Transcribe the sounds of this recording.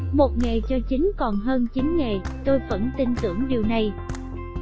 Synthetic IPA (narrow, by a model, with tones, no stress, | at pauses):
mo˨˩t̚ŋe˨˩t͡ɕɔ˧t͡ɕi˨˦ŋkɔ˨˩nɦəː˧nt͡ɕi˨˦nŋe˨˩t̪o˧jvə̰˧˥nt̪i˧nt̪ɨ˧˩əŋɗi˨˩əwna˨˩j